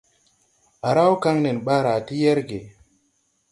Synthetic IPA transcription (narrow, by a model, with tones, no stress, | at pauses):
a˨ɾa˦wka˦ŋne˨nɓa˦ɾa˨ti˦je˦ɾɡe˨